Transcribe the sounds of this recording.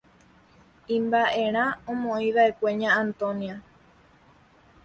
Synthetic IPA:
ĩmbaʔe̞ɾ̃ãõmõĩʋae̞kʷe̞ɲãːnt̪õ̞nia

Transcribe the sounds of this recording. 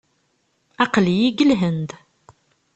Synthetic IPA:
ɑqljiɡəlɦənd̪

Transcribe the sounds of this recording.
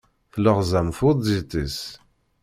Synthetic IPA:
θləʁzæmfʊðˤzit̪is

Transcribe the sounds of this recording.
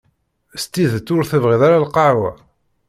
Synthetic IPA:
st̪iðt̪ːʊɾθəvʁiðaɾalqɑɾwæ̰

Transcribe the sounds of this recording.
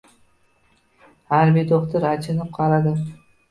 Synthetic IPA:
haɾbɪd̪oχt̪ʰaɾat͡ʃʰɪnɪp̚qʰɑɾad̪ɪ

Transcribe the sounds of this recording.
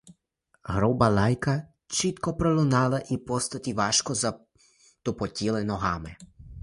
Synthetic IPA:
ɣɾɔbalajka | t͡ʃit̪kɔpɾɔlunalaʔipɔst̪at̪iʋaʃkɔza | t̪ɔpɔt̪ʲilɛnɔɦamɛ

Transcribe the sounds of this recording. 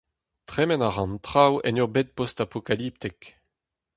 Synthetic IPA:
t̪χɛmɛnaʁɑ̃nt̪χawɛ̰nyʁbet̪̚pɔst̪apokalip̚t̪ik

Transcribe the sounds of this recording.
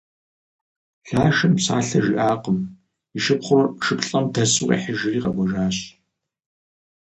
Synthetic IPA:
ɬaːʃɐmsaːɬɐʒiʔaːqəm | iʃɨpχʷɔrʃɨpɬʼɐmdɐsʼʊqḭːħɪʒɪriːqɐɡʷɔʒaːɕ

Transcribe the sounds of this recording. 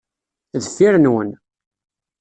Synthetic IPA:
ðəfːiɾənwən

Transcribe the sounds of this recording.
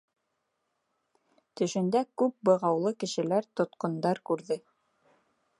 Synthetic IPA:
t̪ɵ̆ʃɵ̆nd̪ækʉp̚bɤ̆ʁɑwlˠɤkɘ̆ʃɘ̆læɾt̪ŏt̪qŏnd̪ɑɾkʉɾðɘ

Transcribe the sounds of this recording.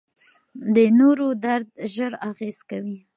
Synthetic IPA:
d̪ənoɾod̪aɾd̪̚ʒəɾaɣez̥kawi

